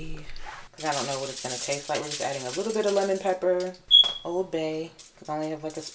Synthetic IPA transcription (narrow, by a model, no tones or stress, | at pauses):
kʰʌzaɪɾõʊ̃nːoʊwʌɾɨtsɡ̥ʌ̃nɨtʰeɪstlaɪʔ̚ˡliɨzæ̰ɾɪ̃ŋəlɪɾl̩ˠbɪɾɨlɛmɨ̃npʰɛpə˞ʔoʊlˠd̚beɪkʰɨzõʊ̃nliɨvlaɪkɨs